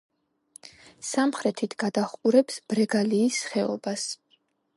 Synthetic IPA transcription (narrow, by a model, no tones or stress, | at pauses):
samχɾɛt̪ʰit̪ʰɡ̥ad̪aχqʼuɾɛpsb̥ɾɛɡaliːsχɛɔ̰bas